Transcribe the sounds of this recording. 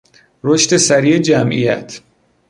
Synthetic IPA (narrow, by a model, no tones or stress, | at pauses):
ɾoʃt̪e̞sæɾiːed͡ʒæmʔḭjæ̰t̪ʰ